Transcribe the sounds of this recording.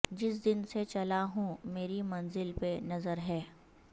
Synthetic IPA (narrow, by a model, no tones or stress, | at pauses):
d͡ʒɪs̬d̪ɪnset͡ʃɐlaɦũmeːɾimɐ̃nzɪlpenɐzəɾɦɛː